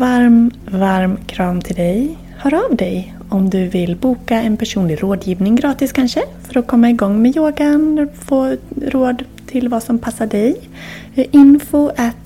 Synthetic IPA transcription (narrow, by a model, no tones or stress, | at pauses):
vaɾmvaɾmkʰɾɑːmt̪ʰɪld̪ɛj | hœːɾavd̪ɛj | ɔmd̪ɵvɪlbuːkaɛnpʰæʂuːnlɪɾoːd̪jiːvnɪŋɡɾɑːt̪ɪskʰanʂəfœɾɔkʰɔmːaɪɡɔŋːmɛjoːɡanfoːɾoːd̪ | t̪ʰɪlvasɔmpʰasːaɖɛj | ʔɪnfʊʔat̪